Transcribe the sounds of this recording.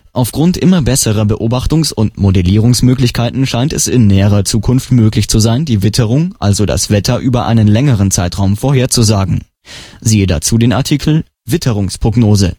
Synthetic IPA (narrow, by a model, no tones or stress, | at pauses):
ʔaʊfɡ̥ʁʊntʔɪmɐbɛsəʁɐbəʔoːbaχtʊŋsʊntmodɛliːʁ̞ʊŋsmøːklɪçkʰaɪtn̩ʃaɪntɛsɪnːɛːəʁɐt͡suːkʰʊnftmøːklɪçt͡suzaɪndiːvɪtʰəʁʊŋʔalzoda̰sv̥ɛtʰɐʔyːbɐʔa̰ɪnənlɛŋəʁ̞ənt͡saɪtʁ̥aʊmfoːɐheːɐt͡suzaːɡŋ̩ | ziːəda̰t͡suːdeːnaɐtʰiːkʰl̩ | vɪtʰəʁʊŋspʁ̥oɡnoːzə